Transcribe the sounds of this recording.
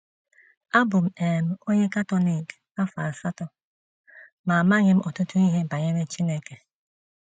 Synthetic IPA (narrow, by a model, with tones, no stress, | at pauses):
a˦bʊ˨m̩˦e˨m̩˦o˦ɲe˦ka˦tɔ˦ni˨k | a˦fa˨sa˦tɔ˦ | ma˨ma˦ɲɪ˦m̩˦ʔɔ˨tʊ˦tʊ˦i˦ɦe˦ba˨ɲe˦ɾe˦t͡ʃi˦ne˦ke˨